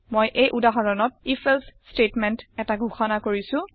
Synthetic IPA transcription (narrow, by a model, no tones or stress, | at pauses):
mojʔejʔudaɦɔɹɔnɔt̚ifʰelsstetmɛntɛtaɡʱuxɔnakoɹisʊ̃